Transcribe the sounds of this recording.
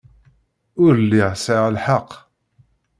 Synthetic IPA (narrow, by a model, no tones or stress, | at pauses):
ʊɾlːiʁsəʁəlħɑqː